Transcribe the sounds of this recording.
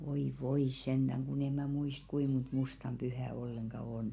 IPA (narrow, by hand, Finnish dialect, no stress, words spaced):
ʋoi ʋoi send̥æŋ kun e mæˑ muist kui mont mustɑm b̥yhæ olːeŋɡ̊ɑ on